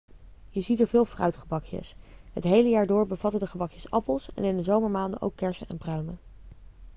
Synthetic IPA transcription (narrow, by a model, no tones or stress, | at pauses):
jəzitəɹvɪːlˠfrœ̰ɥtχəbɑkjə̰sɦə̰tɦejləjaːɹdʊːɹbəvɑtədəχəbɑkjəsɑ̰pəlˠsɛ̰nɪndəzowməɹmaːndəʔo̰wkːɛɹsənɛnprœɥmə